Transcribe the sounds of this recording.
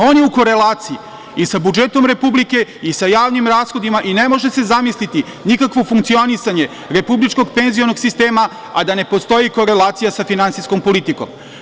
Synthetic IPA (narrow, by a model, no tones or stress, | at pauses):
o̞ːnjeuko̞ɾe̞laːt̪siji | isabud͡ʒe̞t̪o̞mɾe̞publike̞isajaːʋnimɾaːsxo̞d̪imaʔine̞mo̞ʒe̞se̞zamislit̪i | nikakʋo̞fuŋkt̪sio̞nisaɲe̞ | ɾe̞publit͡ʃko̞ɡpe̞nzio̞no̞ɡsist̪e̞ːma | ad̪ane̞po̞st̪o̞jiko̞ɾe̞lˠaːt̪sijasafinant̪isko̞mpo̞lit̪iko̞̰m